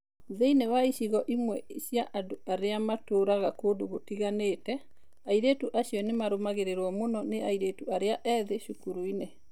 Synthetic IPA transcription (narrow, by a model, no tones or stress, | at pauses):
ðeinewaiʃiɣɔʔimwɛiɕjaʔadoaɾeamatoːɾaɣakoːdoɣotiɣaneːtɛ | aiɾetuʔaɕjɔnemaɾomaɣeɾeɾwɔmonɔneaiɾetuaɾeaʔɛðeʃukuɾuine